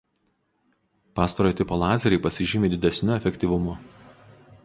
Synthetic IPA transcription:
pɑːst̪ɐɾoːjt̪ʲɪpoːlˠɑːzʲɛɾʲɛɪpɐsʲɪʒʲɪmʲeːd̪ʲɪd̪ʲɛsʲnʲʊɛfʲɛkʲt̪ʲiʋʊmʊ

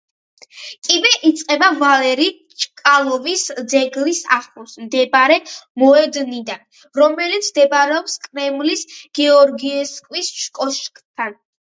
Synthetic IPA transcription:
kʼibɛʔit̪sʼqʼɛbavalɛɾi | t͡ʃʼkʼalˠɔvisd̪zɛɡlisaχlusmd̪ɛbaɾɛmɔɛd̪nid̪an | ɾɔmɛlit̪sʰd̪ɛbaɾɛɔpskʼɾɛmlisɡ̥ɛɔɾɡiɛskʼwisʃkʼɔʃkʼt̪ʰan

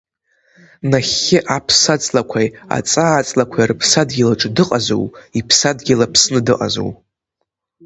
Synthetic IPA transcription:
naχʲːɪʔapʰsat͡sʼlakʷʰaja̰t͡sʼaːt͡sʼlakʷʰajrɨpʰsadɡʲilaʈ͡ʂʼdɨqʼazo̰wipʰsadɡʲɪlapʰsnɨdɨqʼa̰zo̰w

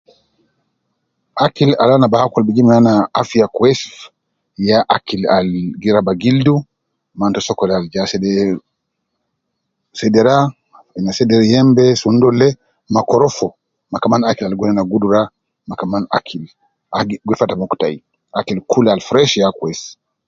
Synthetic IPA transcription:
akila̰lanabahakalbid͡ʒimnanaafiakwɛsf | jaʔakilalɡiɾabaɡildu | mantɔsɔkɔlald͡ʒasɛdɛ | sɛdɛɾa | nasɛdɛɾjɛmbɛsundɔlɛ | makɔɾɔfɔ | makamanakilalɡwɔnɛnaɡuduɾa | makamana̰kʰil | aɡwɛfatamɔku̥tai | akilkulalfɾɛʃjakwɛs

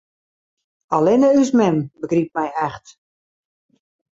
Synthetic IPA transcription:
alɪnəysmɛmbəɡrip̚mɛjɛxt

